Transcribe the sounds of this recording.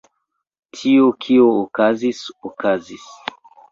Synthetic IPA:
tʰiokʰiookazisokazis

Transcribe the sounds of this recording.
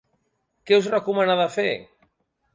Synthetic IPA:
kɛwzrakumanaðafe

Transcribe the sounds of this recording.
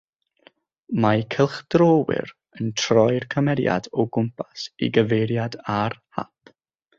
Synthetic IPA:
majkʰəlˠχd̥roːwɪ̰ɾ | əntʰrɔjrkʰəmɛɾja̰dɔɡʊmpʰasḭɡəvejɾjadarha̰pʰ

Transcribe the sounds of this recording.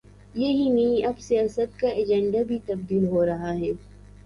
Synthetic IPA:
jɐɦinɐɦĩʔɐbsijaːsət̪̚kaɐd͡ʒɛ̃ɳɖabʱit̪ɐb̚d̪iːlɦoːɾɐɦaɦɛː

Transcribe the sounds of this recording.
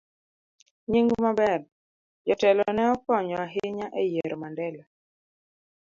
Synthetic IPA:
ɲeŋɡumabɛr | d͡ʒɔtɛlɔnɛɔkɔɲɔaɦɪɲaʔejeɾɔmandɛlɔ

